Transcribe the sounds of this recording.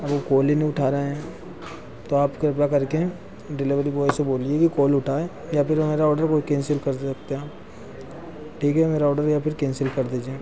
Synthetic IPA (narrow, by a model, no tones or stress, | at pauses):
ɐbokoːliniʊʈʰaːɾeɦɛ̃ː | t̪oaːpkɾɪp̬jakɐɾke | ɖɪlɪʋəɾiboːeseboːliekikoːlʊʈʰaːe | japʰɪɾmeːɾaɔːɾɖəɾkoikẽːnsɪlkɐɾk̚t̪eaː | ʈʰiːkɦɛmeːɾaɔːɖəɾjapʰɪɾkẽːnsɪlkɐɾd̪iːd͡ʒieː